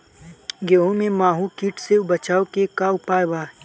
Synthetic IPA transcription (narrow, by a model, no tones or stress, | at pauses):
ɡeːõmẽmaːɦukiːʈsebɐt͡ʃaːokekaʊpaːjbaː